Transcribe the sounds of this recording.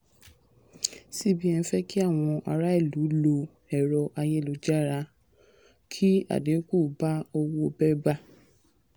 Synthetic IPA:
si˦˨bi˦ɛ̃˧fɛ˦ki˦a˦˨w̃ɔ̃˧ʔa˧ɾa˦i˦˨lu˨˦lo˧ | ɛ˦˨ɾɔ˧ʔa˧je˦˨lo˨˧˦d͡ʒa˦˨ɾa˧ | kʰi˦a̰˨de˨˦ku˦˨ba˦o˧wo˦o˧bɛ˦ba˦

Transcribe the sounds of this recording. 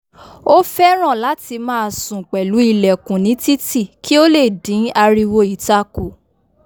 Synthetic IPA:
o˦fɛ˦ɾ̃ã˦˨la˨˦ti˧mãː˦˧˨sũ˨k͡pɛ˨lu˨˦i˧lɛ˨kũ˨nĩ˨˦ti˦ti˦˨ki˦o˦le˦˨dĩ˨˦a˧ɾi˧wo˧i˨ta˧ko˨

